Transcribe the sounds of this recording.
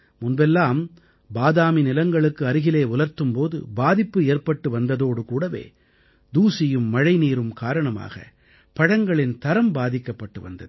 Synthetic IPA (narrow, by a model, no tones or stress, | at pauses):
mʊnbɛlːaːm | baːðaːminɪlɐŋɡɐɭɯkːɯɐɾɪɣɪleːʊlɐɾt̪ɯmpoːðɯ̰baːðɪpːɯeːrpɐʈːɯʋɐnd̪ɐðoːɽɯkuːɽɐʋḛː | d̪uːsɪjɯmːɐɻɐɪniːɾɯmkaːɾɐɳɐma̰ːɣɐ̰ | pɐɽɐŋɡɐɭɪnt̪ɐɾɐmbaːðɪkːɐpːɐʈːɯʋɐ̰nd̪ɐðɯ